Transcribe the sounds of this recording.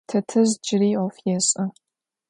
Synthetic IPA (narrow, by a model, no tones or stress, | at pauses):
tʰɐtʰɨzd͡ʒɪɾiːɔfjɛɕʼɐ